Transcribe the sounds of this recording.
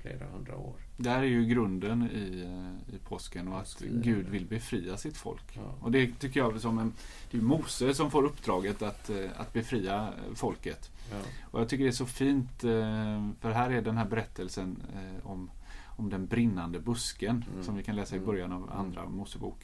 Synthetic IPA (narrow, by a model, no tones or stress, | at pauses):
flḛːɾa̰hɵ̰nd̪ɾa̰o̰ːɾd̪ɛhæːɾæɾjɵɡɾɵnd̪ənɪɪpʰɔskənɔat̪ɡʉ̟ːd̪vɪlbɛfɾiːasɪt̪fɔ̰lkɔd̪ɛt̪ʰʏkːəjɑːsɔmɛnd̪̥ɛjɵmuːsəsɔmfoːɾɵpːd̪ɾɑːɡət̪at̪a̰t̪bɛfɾiːafɔlkət̪ɔjɑt̪ʏkːəɖɛæʂɔfiːnt̪ | fœɾɦæːɾæɖɛnɦæːɾbɛɾɛt̪ʰːəlsənɔmɔmd̪ɛnbɾɪnːand̪əbɵskənsɔmvɪkʰanlɛːsaɪbœɾjanava̰nd̪ɾa̰muːsəbṵːk